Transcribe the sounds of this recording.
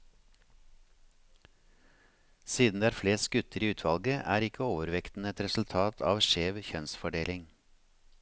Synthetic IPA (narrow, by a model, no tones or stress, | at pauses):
siːd̪n̩d̪eːæɾfleːs̚ɡʉt̪əɾiːʉːt̪ʰʋɑlɡəʔæːɾɪkʰəoːʋəɾʋɛkt̪n̩ɛt̪ɾɛsʉl̩t̪ʰɑːt̪ʰɑ̰ːʋʃeːʋçœnsfɔɖeːlɪŋ